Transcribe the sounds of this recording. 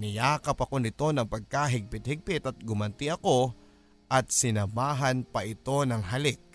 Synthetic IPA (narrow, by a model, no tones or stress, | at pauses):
nɪjaːkɐpɐko̞nɪt̪o̞nɐŋpɐɡ̚kaɦɪɡ̚pɪt̪̚hɪɡ̚pɪt̪ɐt̪̚ɡʊmɐnt̪ɪʔɐko̞ | ʔɐt̪̚sɪnɐbaːɦɐnpɐʔɪt̪o̞nɐŋɦɐlɪk̚